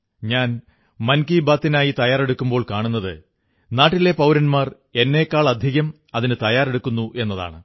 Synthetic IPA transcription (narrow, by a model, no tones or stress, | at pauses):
ɲaːn | mɐnkiːbaːt̪ːinaːjit̪ɐjaːre̞ɽukːumbo̞ːɭkaːɳunːɐðɨ | naːʈːile̞pɐwɾɐnmaːr | e̞nːe̞kːaːɭɐd̪ʱiɣɐm | ɐðinɨt̪ɐjaːre̞ɽukːunːuʔe̞nːɐða̰ːɳɨ